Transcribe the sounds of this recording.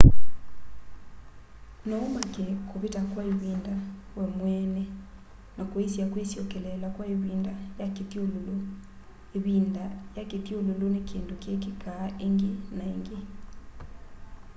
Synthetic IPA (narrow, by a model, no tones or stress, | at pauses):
nɔomakɛkoβetakwaeβindawamwɛnɛ | nakoesjakwesjɔkɛlɛlakwaeβiːndajaketjololo | eβindajaketjololonekeːndokekekaʔeŋɡenaeŋɡe